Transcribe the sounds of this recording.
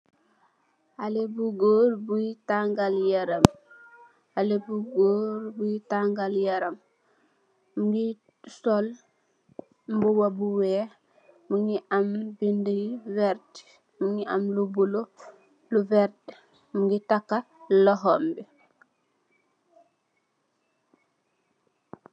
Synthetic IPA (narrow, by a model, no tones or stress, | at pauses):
alebuɡoːɾbujitaŋɡaljaɾam | alebuɡoːɾbujitaŋɡaljaɾam | muɡi | sol | mbuwabuwe | muɲiʔambindəvɛɾt | muɲiamlubulo | luvɛɾt | muŋɡitakːa | loɦombi